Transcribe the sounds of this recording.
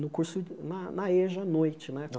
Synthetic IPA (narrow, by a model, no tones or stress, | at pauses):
nʊkuɾsʊnɐnɐeʒɐnojt͡ʃɪnɛ